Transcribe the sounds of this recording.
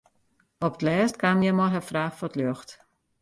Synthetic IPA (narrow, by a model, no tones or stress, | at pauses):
ɔp̚tlɛːstkamjɛmɔɦəfraːxfɔtløxt